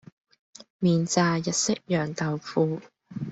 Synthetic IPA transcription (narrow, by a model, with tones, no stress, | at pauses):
miː˨˩nt͡saː˨˧jɐ˨t̚sɪ˥k̚jœː˨˩ŋt̪ɐ˨wfuː˧